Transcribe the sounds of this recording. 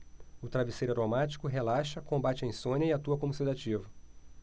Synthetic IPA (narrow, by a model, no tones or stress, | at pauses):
ʊt̪ɾavisejɾaɾomat͡ʃi̥kʊɦelaʃɐkõmbat͡ʃɪɐẽj̃sõɲɐɪat̪uɐkõmusid̪at͡ʃivɐ